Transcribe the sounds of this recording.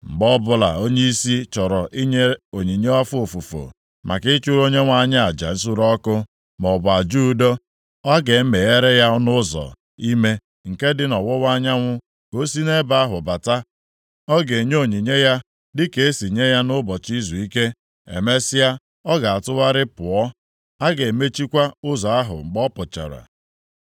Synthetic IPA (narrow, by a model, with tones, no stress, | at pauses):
m̩˨ɡ͡bɔ˦bʊ˦la̰˨o˦ɲe˦i˦si˦t͡ʃɔ˨ɾɔ˨ʔi˦ɲe˦o˨ɲi˨ɲe˦ɔ˦fo˨fu˨fo̰˨ | mʔa̰˨kɪ˦t͡ʃu˦ɾo˦ɲe˦ŋʷa˦ɲa˦a˨d͡ʒa̰˨n̩˦s̬u˦ɾɔ˦kʊ˦ | mɔ˨bʊ˨a˨d͡ʒu˦do˦ | ɔ˦ɡe˨˦m̩˦me˨e˦ɾe˦ja˦nʊ˦zɔ̰˨ | i˦me˦ | ŋ̩˨ke˦dɪ˦nɔ˨wʊ˦wʷa˦ɲa˦ŋʷʊ˦ | ko˦si˦ne˦ba˨a˦ɦʊ̰˨ba˨ta˦ | ɔ˦ɡe˨ɲo˦˨ɲi˨ɲe˦ja˦ | dɪ˦ke˨e˦si˨ɲe˦ja˦nʊ˦bɔ˨t͡ʃi˦zu˨i˦ke˦ | ḛ˨me˦sɪ˦a˦ | ɔ˦ɡa˨a˨tʊ˦wa˦ɾɪ˦pʊ˨ɔ˦ | a˦ɡe˨me˦t͡ʃi˦kʷa˦ʊ˦zɔ˨a˦ɦʊ̰˨ŋ͡m̩˨ɡ͡bɔ˦pʊ˨t͡ʃa̰˨ɾa̰˨